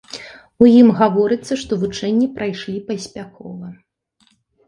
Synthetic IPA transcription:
ujimɣavɔɾɨt̪sːɐʂt̪ɔvut͡ʂɛnʲːipɾʔajʂlʲipɐsʲpʲakɔ̰vɐ

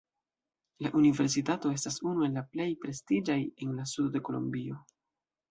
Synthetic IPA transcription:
laʔunive̞ɾs̬itato̞e̞stasunue̞lːaple̞jpɾe̞stid͡ʒaje̞nlasudode̞ko̞lo̰mbio̞

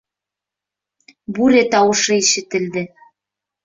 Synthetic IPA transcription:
buɾet̪ɑwɤ̆ʃɤ̆iʃɘ̆t̪ɘ̆ld̪ɘ̆

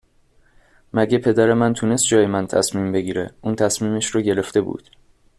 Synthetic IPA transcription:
mæɟepʰe̞d̪æɾe̞mænt̪ʰune̞st̪̚d͡ʒɒːjemænt̪ʰæsmiːmbe̞ɟiːɾḛuːnt̪ʰæsmiːmeʃɾɒːɟe̞ɾe̞ft̪e̞bṵːd̪̥

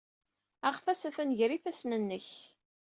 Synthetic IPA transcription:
æʁfæsæθænʝɾiθæsnənːəç

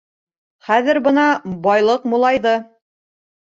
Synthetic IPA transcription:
χæðɘɾbɤnɑbɑjlˠɤqmulˠɑjðɤ

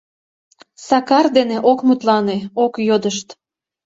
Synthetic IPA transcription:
sɑkɑrd̪eneʔokmut̪lɑneokjod̪əʃt̪

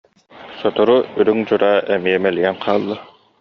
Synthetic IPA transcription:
sɔt̪ɔɾuyɾyŋd͡ʑuɾaːʔɛmiɛmɛliɛnqʰaːlˠːa

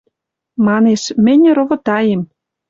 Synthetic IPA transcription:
mɑneʃmɘ̆n̆ʲɾŏβŏt̪ɑjem

